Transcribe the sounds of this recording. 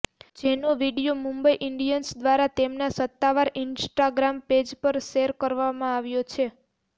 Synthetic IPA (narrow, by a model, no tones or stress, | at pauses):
d͡ʒenoʋiɽijomũmbəiʔɪɳɖijənsd̪ʋaɾat̪emnasət̪ːaʋaɾɪnsʈaɡɾamped͡ʒpəɾʃeɾkəɾʋamãaʋjot͡ʃʰe